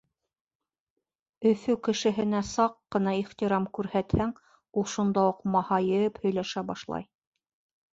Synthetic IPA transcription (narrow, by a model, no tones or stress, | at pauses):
ɵ̆fɵkɘ̆ʃɘ̆ɦɘ̆næsɑqːɤ̆nɑiχt̪iɾɑmkʉɾhæt̪hæŋ | ulˠʃund̪ɑuqmɑhɑjɤphɵ̆jlæʃæbɑʃlˠɑ̰j